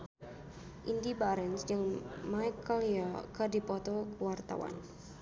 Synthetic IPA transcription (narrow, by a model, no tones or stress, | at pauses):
ʔindibaɾɛnsd͡ʒɨŋmajkːɔliɔkədipɔt̪ɔkwart̪a̰wa̰n